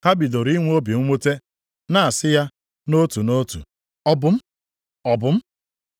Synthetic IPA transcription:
ha˦bi˨do˨ɾi˦ŋʷ˦o˦bi˨ŋ̩˦ŋʷo˦te˦ | na˨a˨sɪ˦ja˦ | no˦tu˨no˦tṵ˨ | ɔ˦bʊ˦m̩˦ | ɔ˨bʊ˦m̩˦

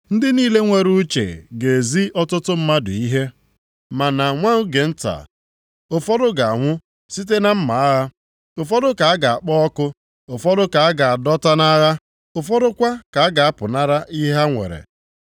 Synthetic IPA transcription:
n̩˦dɪ˦niː˦le˦ŋʷe˨ɾu˦t͡ʃḛ˨ɡe˨zi˦ʔɔ˦tʊ˦tʊ˦m̩˦ma˦dʊ˨i˦ɦe˦ | ma˨na˨ŋʷa˦ŋ̩˦ɡe˨n̩˦ta̰˨ | o˨fɔ˦dʊ˦ɡa˨a˨ŋʷʊ˦ | si˦t̬e˦na˦m̩˦ma˨a˦ɣa˦ | o˨fɔ˦dʊ˦ka˨a˦ɡa˨a˨k͡pɔ˦ɔ˦kʊ˦ | o˨fɔ˦dʊ˦ka˨a˦ɡa˨a˨dɔ˦ta˦na˦ɣa˦ | ʊ˨fɔ˦dʊ˦kʷa˦ka˨a˦ɡa˨a˦pʊ˨na˦ɾa˦ʔi˦ɦa˦ŋʷḛ˨ɾḛ˨

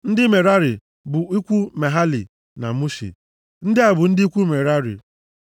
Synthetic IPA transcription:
n̩˦dɪ˦me˨ɾa˦ɾɪ˨ | bʊ˨i˦kʷu˦me˨ɦa˦lḭ˨ | na̰˨mu˦ʃḭ˨ | n̩˦dɪ˦a˨bʊ˨n̩˦dɪ˦i˦kʷu˦me˨ɾa˦ɾḭ˨

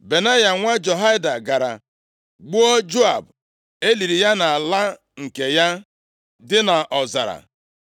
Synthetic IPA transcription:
be˨na˦ja˨ŋʷa˦d͡ʒo˨ɦa˦da˨ɡa˨ɾa̰˨ | ɡ͡bu˦o˦d͡ʒo˦a˨b | e˦li˨ɾi˨ja˦na˨la˦ | ŋ̩˨ke˨ja˦ | dɪ˦na˨ʔɔ˨za̰˨ɾa̰˨

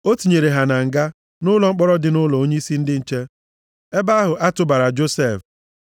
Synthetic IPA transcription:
o˦ti˨ɲe˨ɾe˨ɦa˨na˨ŋ̩˨ɡa˦ | nʊ˦lɔ˨ŋ͡m̩˦k͡pɔ˦ɾɔ˦dɪ˨nʊ˦lɔ˨o˦ɲe˦i˦si˦n̩˦dɪ˦n̩˨t͡ʃe˦ | e˦ba˦a˦ɦʊ˨ʔa˦tʊ˨ba˨ɾa˨d͡ʒo˦se˦˨f

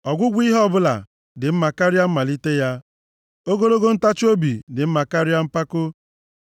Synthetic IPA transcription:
ɔ˨ɡʷʊ˦ɡʷi˦ɦɔ˦bʊ˦la̰˨ | dɪ˨m̩˦ma˨ka˦ɾɪ˦a˦m̩˦ma˨li˦te˦ja˦ | o˦ɡo˦lo˦ɡo˦n̩˦ta˦t͡ʃo˦bi˨dɪ˨m̩˦ma˨ka˦ɾɪ˦a˦m̩˦pa˦kʊ˦

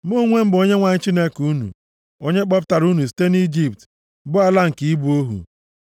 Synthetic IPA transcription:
mo˦ŋʷe˦m̩˦bo˦ɲe˦ŋʷa˨ɲɪ˦t͡ʃi˦ne˦ku˦nṵ˨ | o˦ɲe˦k͡pɔ˦pta˨ɾu˦nu˨s̬i̥˦te˦ni˦d͡ʒi˨p̚t | bʊ˦a˦la˦ŋ̩˨ki˨i˦bu˦o˦ɦṵ˨

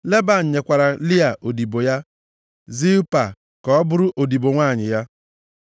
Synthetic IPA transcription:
le˦ba˨n̩˨ɲe˨kʷa˨ɾa˨li˦a˨ʔo˨di˨bo˨ja˦ | zi˦u˦pa̰˨ | kɔ˦ɔ˦bʊ˦ɾʊ˦ʔo˨di˨bo˨ŋʷaː˦˨ɲɪ˨ja˦

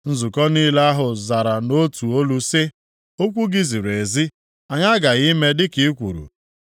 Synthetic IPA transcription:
n̩˦zu˨kɔ˦niː˦la˦ɦʊ˨za˨ɾa˨no˦tu˨o˦lu˦sɪ˦ | o˦kʷu˦ɡi˦zi˨ɾe˨zi˦ | a˨ɲa˦ɡa˨ɣi˦me˦dɪ˦ki˦kʷṵ˨ɾṵ˨

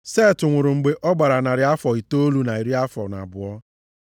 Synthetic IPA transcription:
se˦˨tʊ˨ŋʷʊ˨ɾʊ˨ŋ͡m̩˨ɡ͡be˨ʔɔ˦ɡ͡ba˨ɾa˨na˨ɾɪ˨˦a˦fɔ˨i˨to˦o˦lu˦na˨i˨ɾi˦a˦fɔ˨na̰˨bʊ˨ɔ˦

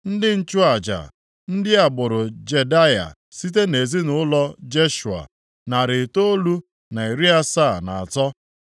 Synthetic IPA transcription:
n̩˦dɪ˦n̩˦t͡ʃʊ˦a˨d͡ʒa̰˨ | n̩˦dɪ˦a˨bʊ˨ɾʊ˨d͡ʒe˨da˦ja̰˨ | si˦t̬e˦ne˨zi˦nʊ˨˦lɔ˦d͡ʒe˦ʃu˨a̰˨ | na˨ɾɪ˨to˦lu˦ | na˨i˨ɾi˦a˦sa˦˨na˨a˨tɔ˦

